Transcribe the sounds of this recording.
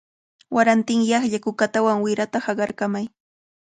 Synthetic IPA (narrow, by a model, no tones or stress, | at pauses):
waɾant̪ɪŋjɑχʎakʊkat̪awaŋwɪɾat̪ahɑɢɑɾkamaj